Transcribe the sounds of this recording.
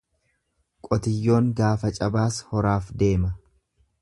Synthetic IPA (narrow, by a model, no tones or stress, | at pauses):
kʼɔt̪ɪjːo̞ːŋɡaːfɐt͡ʃʼɐbaːshɔɾaːfd̪e̞ːmɐ